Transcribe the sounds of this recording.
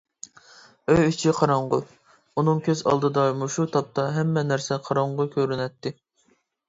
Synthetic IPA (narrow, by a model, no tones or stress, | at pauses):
øjyt͡ʃʰiqʰɑɾɑɴʁʊ | unɨŋkʲʰøzɑ̰lˠd̪ɨd̪ɑmuʃut̪ʰɑp̚t̪ɑɦɛmːɛnæɾsɛqʰɑɾɑɴʁʊkʲʰøɾynɛt̪ːɪ